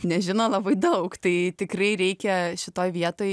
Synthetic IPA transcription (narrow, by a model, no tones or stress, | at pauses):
nʲɛʒʲɪnoːlˠɐbɐɪd̪ɐʊkt̪ɐɪt̪ʲɪkrɐɪɾʲɛɪkʲɛʃʲɪt̪oːjʋʲiɛt̪oːj